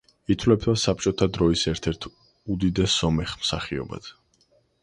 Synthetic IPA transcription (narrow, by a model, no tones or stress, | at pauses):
it̪ʰwlɛp̚ʰd̪asap̚ʰt͡ʃʼɔt̪ʰad̪ɾɔisɛɾt̪ʰɛɾt̪ʰ | ud̪id̪ɛsːɔmɛχmsaχiɔ̰ba̰d̪̥